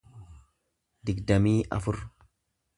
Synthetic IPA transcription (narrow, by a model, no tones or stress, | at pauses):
d̪ɪɡd̪ɐmiːʔɐ̰fʊɾ